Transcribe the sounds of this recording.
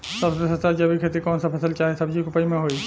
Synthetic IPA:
sɐbsesɐt̪akiɐbʱikʰeːt̪ikɔːnsapʰɐsəlt͡ʃaːɦesɐbd͡ʒikʊpəimẽɦoːi

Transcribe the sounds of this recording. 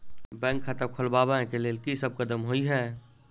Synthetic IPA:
bɛ̃ːŋkʰːat̪əkʰʊlbabãẽkeleːlkisəb̚kəd̪əmɦoiɦɛː

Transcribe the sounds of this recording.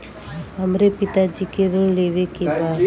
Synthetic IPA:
ɦəmɾepit̪ad͡ʒikeɾəlleʋekeba

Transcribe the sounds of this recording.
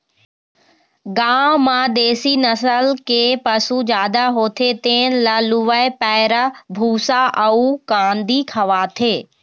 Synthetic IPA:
ɡaːmãd̪eːsinɐsəlkepɐsud͡ʒaːd̪aɦoːt̪ʰet̪eːnlɐlʊʋəepɛːɾəbʱuːsaʔəukãːnd̪ikʰɐʋaːt̪ʰeː

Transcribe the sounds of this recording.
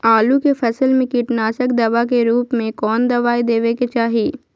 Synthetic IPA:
aːlukefʰɐsəlmẽkiːʈnaːsəkd̪ɐʋak̬eɾuːpmẽkɔːnd̪ɐʋaːid̪eːʋeket͡ʃaːɦiː

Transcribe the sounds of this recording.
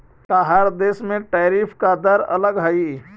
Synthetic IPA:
kaɦaɾd̪esmẽʈaɾipʰkad̪əɾə̰ləɡɦai

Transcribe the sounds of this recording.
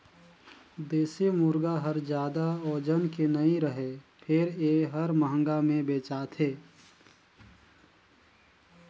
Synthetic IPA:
d̪eːsemʊɾɡaɦəɾd͡ʒjaːd̪aɔːd͡ʒənkenəĩɾəɦepʰɪɾeːɦəɾməɦə̃ŋɡamẽbeːt͡ʃaːt̪ʰeː

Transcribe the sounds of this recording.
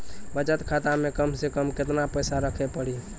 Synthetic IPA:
bət͡ʃət̪kʰat̪amekəmsekəmket̪napəjsaɾəkʰepəɽi

